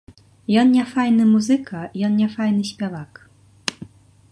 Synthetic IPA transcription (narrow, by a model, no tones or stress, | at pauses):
jɔnnʲɛfajnɨmuzɨkɐjɔnnʲɛfajnɨsʲpʲavak